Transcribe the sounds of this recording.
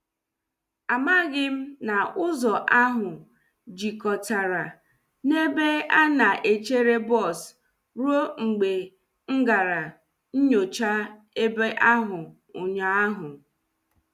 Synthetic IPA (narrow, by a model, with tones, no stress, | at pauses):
a˨ma˦ɡɪ˦m̩˦na˨ʊ˦zɔ˨ʔa˦ɦʊ˨ | d͡ʒi˨kɔ˨ta˨ɾa˨ | ne˦be˦a˦na˨ʔe˨t͡ʃe˦ɾe˦bɔ˦˨s | ɾo˦ŋ͡m̩˨ɡ͡be˨ | ŋ̩˦ɡa˨ɾa˨ | n̩˦ɲo˨t͡ʃa˦ | e˦be˦ʔa˦ɦʊ˨ | ʊ˨ɲa˨˦a˦ɦʊ˨